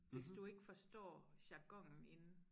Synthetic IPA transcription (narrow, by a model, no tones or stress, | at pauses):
ʋe̝sd̥ue̝ɡ̥əfɒ̽sd̥ɒ̰ːɕɑ̈ɡ̥ɒ̽ŋ̰n̩e̝n̩